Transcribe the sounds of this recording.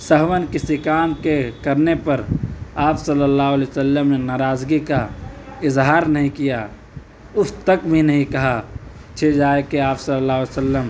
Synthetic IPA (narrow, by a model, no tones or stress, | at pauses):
səɦwənkɪsikaːmkekɐɾnepɐɾaːpsɐlːəlːaːɦʊlesəlːəmnenaːɾaːzɡikaɪzɦaːɾnɐɦĩkija | ʊst̪əkbʱinɐɦĩkɐɦa | t͡ʃʰed͡ʒaːekeaːpsɐlːəlːaːɦʊlesəlːəm